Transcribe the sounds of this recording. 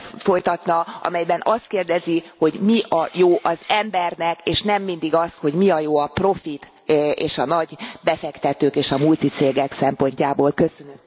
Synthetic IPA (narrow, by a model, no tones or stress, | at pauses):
fo̞jt̪ɒt̪nɒɒ̰mɛjbɛnɒst̪keːrd̪ɛziho̞ɟmiʔɒjoːʔɒzɛmbɛrnɛkeːʃnɛmːind̪iɡɒst̪ho̞ɟmiɒjoːɒpro̞fit̪ | eːʃɒnɒɟbɛfɛkt̪ɛt̪øːkeːʃɒmult̪it̪seːɡɛksɛmpo̞ɲcaːboːlkø̞sønø